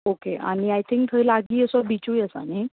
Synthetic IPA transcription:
okea̰ñiajt̪ʰĩŋk̚t̪ʰəɾlaɡiːəsɔbit͡ɕujəsa̰ni

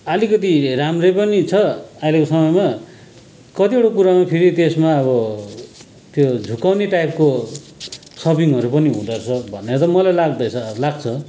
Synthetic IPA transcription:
ʌlikʌt̪iramrʌjpʌnit͡sʰʌajlekosʌmʌjma | kʌt̪ioɽokuɾamapʰeɾit̪esmaʌβʌ | t̪jod͡zʱukawneʈajp̚ko | sʌbiŋʌɾupʌniɦũd̪ʌrt͡sʰʌbʱʌneʌt̪ʌmʌlajlaɡd̪ʌjt͡sʰʌlaɡ̚t͡sʰʌ

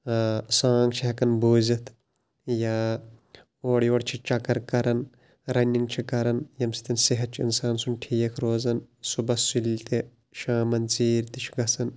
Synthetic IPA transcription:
saːŋɡt͡ʃʰiɦɐkɐnbuːzɐt̪ʰ | jaː | oːɽijoːɽt͡ʃʰit͡ʃɐkɐɾkɐɾɐn | ɾɐnʲiŋɡt͡ʃʰikɐɾɐnjɐmsi̥t̪ɐnsiɦɐt͡ʃʰḭnsaːnsunʈʰiːjɐkʰɾoːzɐnsubɐsult̪e | ʃaːmɐnt͡siːɾt̪it͡ʃʰiɡɐsɐn

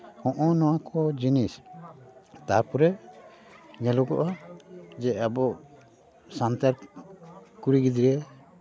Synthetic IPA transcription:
hɔ̃ʔɔnɔwakʰɔd͡ʒinis | t̪aɾpɔɾɛ | ɲɛlɔɡɔ̰ʔad͡ʒɛabɔʔ | sant̪aɾ | kuɾiɡid̪iɾɛ

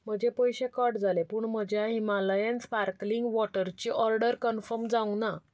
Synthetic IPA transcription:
m̤əd͡ʑepəjɕekəɾɖd͡zalepuːɳm̤əd͡ʑʱjaɦimaləjənspaɾkliŋɡʋɔʈəɾt͡ɕiːʔɔɾɖəɾkənfəɾmd͡zaũna

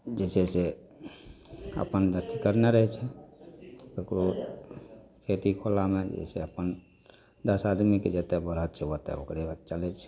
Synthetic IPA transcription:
d͡ʒɛsese | ə̰pənd̪ət̪ʰikəɾneɾəɦɛt͡ʃʰɛ | ekɾo | kʰet̪ikʰolamed͡ʒɛ̰sḛəpən | d̪əsad̪miked͡ʒet̪ɛbəɾɦət̪t͡ʃʰeʋət̪ɛ̰o̰kɾeət̪t͡ʃəlɛt͡ʃʰɛ̥

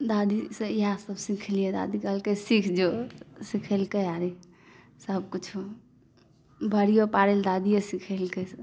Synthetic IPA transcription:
d̪ad̪isəjasəbsikʰelijed̪a̰d̪ikəlkesikʰd͡ʒosikʰelkəaɾi | səbkut͡ʃʰ | bʱəɾijopaɾeld̪ad̪ijesikʰelkɛsəb

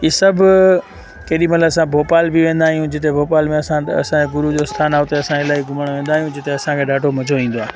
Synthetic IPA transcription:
iːsɐbʱʊ | kɐːɗimɐt̪ləbɐsãbʱoːpaːlbiʋẽːn̆d̪aːɦijũd͡ʑɪt̪̬ebʱoːpaːlmẽɐsãɐ̰sãeɡʊɾud͡ʑost̪ʰaːnaɦʊt̪eɐsãɪlaːiɡʱʊməɽ̃ʋẽːn̆d̪aːɦijũd͡ʑɪt̪eɐsãkʰeɗaːʈʰomɐd͡ʑʱoʋĩːn̆d̪oaː

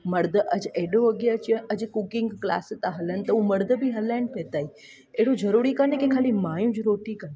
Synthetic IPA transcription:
mɐɾd̪ʱəʔɐd͡ʑeɦɗoɐɡeɐt͡ɕĩɐd͡ʑkukɪ̃ŋɡkla̰ːst̪ãɦɐlənɪ̆t̪ɐũmɐɾd̪ʱəbiɦɐlaːɪnpʰeːt̪aːɦi | eɦɽozɐɾuːɾikanẽkẽkʰaːlimaːjũd͡ʑɾoːʈikɐn

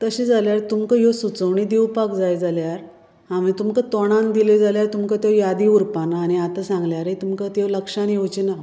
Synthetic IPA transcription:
t̪əɕid͡zaljaɾt̪umkəjosut͡səʋɳid̪iwpakd͡zajd͡zaljaɾ | am̤it̪umkət̪ɔɽ̃ãnd̪iled͡zaljaɾt̪umkət̪jejad̪iuɾpanaːñiat̪asãŋɡljaɾɦet̪umkat̪ewləkʂãnjewt͡ɕina

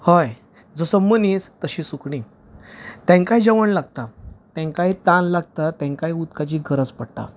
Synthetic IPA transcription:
hɔj | d͡zɔsəmənist̪əɕiːsukɳi | t̪ɛ̃ŋkaɦid͡ʑəʋəɳlaɡ̚t̪at̪ɛ̃ŋkaɦit̪ãnlaɡ̚t̪at̪ɛ̃ŋkaɦiut̪kat͡ɕiːɡʱəɾət͡spəɽt̪a̰

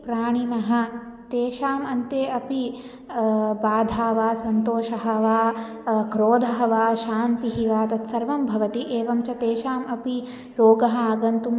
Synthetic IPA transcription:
pɾaːɳ̃inɐɦɐ̆ | t̪eːʃaːmɐnt̪eːɐpi | baːd̪ʱaːʋaːsɐnt̪oːʃɐɦɐʋaː | kɾoːd̪ʱɐɦɐʋaːʃaːnt̪iɦiʋaːt̪ɐt̪sɐɾʋɐmbʱɐʋɐt̪iʔeːʋɐmt͡ʃɐt̪eːʃaːmɐpi | ɾoːɡɐɦɐaːɡɐnt̪um

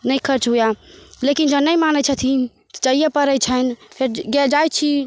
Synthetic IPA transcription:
nəjkʰəɾt͡ʃɦujalekind͡ʒənəjmanət͡ʃʰət̪ʰi | t̪ɔ̥t͡ʃəɦijɛpəɾəjt͡ʃʰənpʰeɾɡɛld͡ʒajt͡ʃʰi

